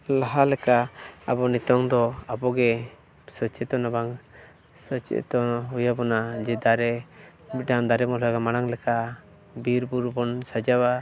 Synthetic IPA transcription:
laɦalɛkaabɔnit̪ɔŋd̪ɔabɔɡɛ | sɔt͡ʃɛt̪ɔnɔbaŋ | sɔt͡ʃɛ̰ʔt̪ɔɦujabɔnad͡ʒɛd̪aɾɛ | ɖaŋd̪aɾɛmɔlɔjaɡamaɽ̃aŋlɛka | biɾbuɾbɔnsad͡ʒawa

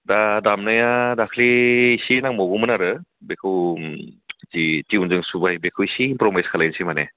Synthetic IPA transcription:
dadamnajadakʰliːsinaŋmɔɡumɯnaɾɯbekʰɯw | zitiunzɯŋsubajbekʰɯwisiːmpɾɔmajskʰalajnsimanḛ

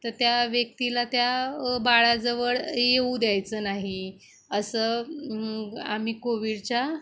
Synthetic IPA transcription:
t̪əɾt̪jaʋjək̚t̪ilat̪jabaɭad͡zəʋəɭjeud̪jajt͡səːnaɦi | əsə | a̰miːkoʋiɽt͡ɕa

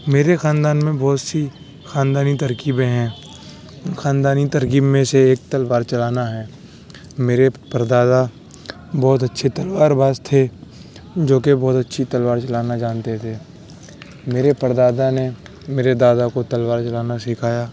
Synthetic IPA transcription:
meːɾexãːnd̪aːnmẽbɔːt̪si | xaːnd̪aːnit̪əɾkiːbẽɦɛ̃ː | xãːnd̪aːnit̪əɾkiːbmẽseeːk̚t̪ɐlwaːɾt͡ʃɐlaːnaɦɛː | meːɾepəɾd̪aːd̪a | bɔːt̪ɐtːʃʰet̪ɐlwaːɾbaːst̪ʰe | d͡ʒoːkebɔːt̪ɐtːʃʰit̪ɐlʋaːɾt͡ʃɐlaːnad͡ʒaːnt̪et̪ʰeː | meːɾepəɾd̪aːd̪ane | meːɾed̪aːd̪akot̪ɐlwaːɾt͡ʃɐlaːnasɪkʰaːjaː

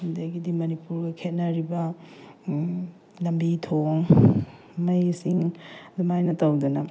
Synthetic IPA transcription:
indɐɡidimɐnipuɾɡɐkʰet̚nɐɾibɐ | lɐmbitʰoŋ | mɐjsiŋdumajnɐtɐwdɐnɐ

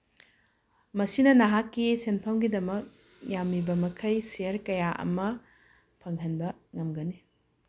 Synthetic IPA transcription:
mɐsinɐnɐɦakːisenpʰɐmɡidɐmɐk̚ | jamibɐmɐkʰɐjseɐɾkɐjaʔɐ̰mɐ | pʰɐŋɦɐnbɐŋɐmɡɐni

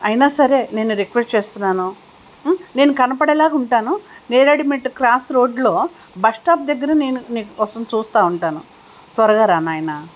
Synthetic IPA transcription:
ɐjnaːsɐɾe̞ːne̞ːnuɾekʋesʈt͡ʃe̞ːst̪unːaːnu | ne̞ːnukɐnɐpɐɽɐlaːkuɳʈaːnuneːɾɐɽimeʈkɾaːsɾo̞ːɖlo̞ː | bɐʂʈaːp̚d̪ɐɡːɐɾɐne̞ːnuniːkuɔsɐmt͡ʃuːst̪aːuɳʈaːnu | t̪ʋɐɾɐɡaːɾaːnaːjna

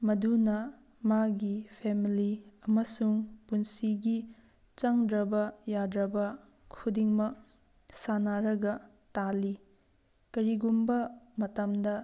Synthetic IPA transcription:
mɐdunɐ | maɡipʰemiliɐmɐsuŋpunsiɡi | t͡ʃɐŋdɾɐbɐjadɾɐbɐ | kʰudiŋmɐk̚ | sanaɾɐɡɐ | tali | kɐɾiɡumbɐmɐtɐmdɐ

